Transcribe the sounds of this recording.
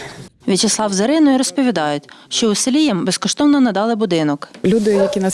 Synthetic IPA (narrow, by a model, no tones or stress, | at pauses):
ʋʲit͡ʃeslˠɑwzeɾɪnɔjiɾɔspɔʋʲid̪ɑjʊtʲʃt͡ʃɔʊselʲijɛmbeskɔʃt̪ɔwnɔnɐd̪ɑlˠɪbʊd̪ɪnɔklʲud̪ɪjjɐkʲinɐ